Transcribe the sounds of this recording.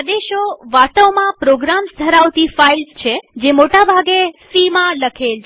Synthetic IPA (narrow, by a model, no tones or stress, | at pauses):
ad̪eʃoʋat̪əwmãpɾoɡɾamsd̪ʱəɾaʋt̪ifailst͡ʃʰed͡ʒemoʈabʱaɡesimãləkʰelʰ